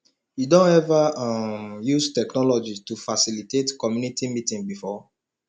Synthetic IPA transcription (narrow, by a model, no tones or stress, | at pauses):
jidõnɛvaamjustɛknɔlɔd͡ʒitufasilitetkɔmjunitimitĩŋbifɔ